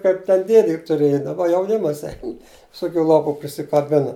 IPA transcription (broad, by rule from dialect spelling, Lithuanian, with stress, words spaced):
kɐɪp tʲɛn ˈdʲeːdʲeː jʊk tʊˈrʲeːjɛ dɐˈbɐ jɛʊˈnʲɪmɐs ˈɛɪn ʋʲɪˈsoːkʲʊ ˈlˠoːpʊ pʲrʲɪsʲɪkɐˈbʲɪnɐ